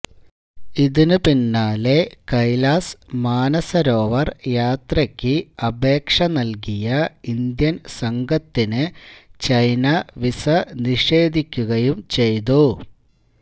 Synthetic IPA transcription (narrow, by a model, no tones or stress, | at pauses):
iðinɨpinːaːle̞kɐjlaːsmaːnɐsɐɾo̞ːʋɐrjaːt̪rɐkʲːɨɐbeːkʂɐnɐlk̬ijɐind̪jɐnsɐŋɡʱɐt̪ːinɨt͡ɕɐjnɐʋisɐniʂe̞ːd̪ʱikʲːuɣɐjumt͡ɕe̞jt̪u